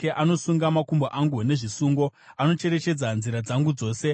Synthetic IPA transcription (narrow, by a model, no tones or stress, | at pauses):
eʔano̞suŋɡamakumboʔaŋɡune̞ʐisuːŋɡo̞ | ano̞t͡ʃe̞ɾe̞t͡ʃe̞d͡zanziɾad͡zaŋɡud͡zo̞ːse̞